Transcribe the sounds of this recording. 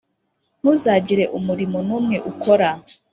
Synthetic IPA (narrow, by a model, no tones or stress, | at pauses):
n̥uːzaːɟiɾe̞ʔumuɾimonuːmŋe̞ʔukʰo̞ɾa